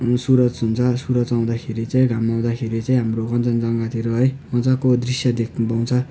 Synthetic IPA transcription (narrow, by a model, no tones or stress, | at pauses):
suɾʌd͡zɦunt͡sʰʌsuɾʌd͡zaw̃d̪akʰeɾit͡saĩɡʱamaw̃d̪akʰeɾit͡saĩɦamroɡʌnt͡sʌnd͡zʌŋɡat̪ʰiɾʌɦʌjʌnt͡sʌkod̪risjʌd̪ek̚ʰbaw̃t͡sʰʌ